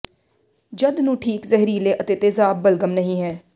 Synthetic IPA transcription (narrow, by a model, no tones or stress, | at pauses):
d͡ʒəd̪nũːʈʰiːkzɛɦɾiːleːʔət̪eːt̪eːzaːbːəlɡəmnəɦĩːɦɛː